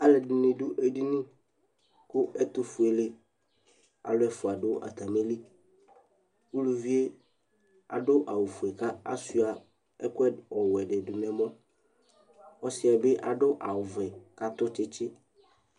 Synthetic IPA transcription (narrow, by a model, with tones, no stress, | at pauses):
a˦lɛ˨dʊ˨nɪ̃˨du˦ʔe˦di˦nʊ̃˦ | kʊ˦ɛ˦t̪ʊ˨fu˨e˨lɪ˦ | a̰˨lʊ˦ɛ˨fʊ˨a˨dʊ˦ʔa̰˨t̪a˨me˦li˦ | u˦lu˨vi˦e˦ | a̰˨ɖʊ˦ʔa˨wʊ˨fu˨e˨ka˦a̰˦su˨˦a˨ | ɛ˦kɛ˦ɔ˨wɛ˨ɖɪ˨dʊ˨nɛ̃˨mɔ̃˦ | ɔ˦sɪ˦a˨bɪ˦ʔa˨ɖʊ˦ʔa˨wʊ˨vɛ˨ka˦t̪ʊ˦t͡ʃɪ˦t͡ʃɪ˦